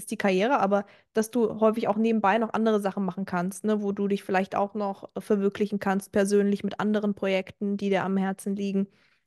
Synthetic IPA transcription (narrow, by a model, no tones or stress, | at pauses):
ɪstd̥iːkʰaɐjeːʁ̞əʔaːbɐ | d̥asd̥uːɦɔʏfɪçaʊxneːbm̩baɪnɔχʔa̰ndəʁ̞əzaχn̩maχn̩kʰanstnəvoːduːdɪçfɪlaɪçta̰ʊxnɔχfɛɐvʏɐklɪçn̩kʰanst̚pʰɛɐzøːnlɪçmɪtʔa̰ndəʁənpʁ̥ojɛktn̩diːdiːɐamhɛɐt͡sn̩liːɡŋ̩